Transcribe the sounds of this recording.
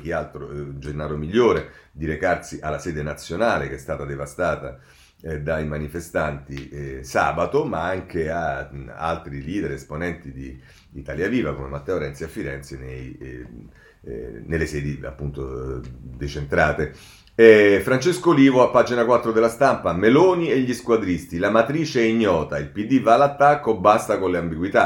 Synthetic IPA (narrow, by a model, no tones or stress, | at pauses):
k̟ialt̪ɾod͡ʒenːaːɾomiʎːoːɾed̪iɾekart̪siʔalːasɛːd̪enat̪sːjonaːlekeɛst̪aːt̪ad̪evast̪aːt̪a̰ | d̪aimanifest̪ant̪isa̰ːbat̪omaaŋk̟eaa̰lt̪ɾiliːd̪eɾesponɛnt̪id̪iː | t̪aljaviːvakomemat̪ːɛoɾɛnt̪seafːiɾɛnt̪senej | nelːesɛːd̪ia̰pːunt̪o̰d̪et͡ʃent̪ɾaːt̪e | ɛfɾant͡ʃeskoliːvoapːaːd͡ʒinakwat̪ːɾod̪elːast̪ampameloːnieʎːiskwad̪ɾist̪ilamat̪ɾiːt͡ʃeɛiɲːɔːt̪ailpid̪ːivalat̪ːakːobːast̪akonleambiɡwit̪a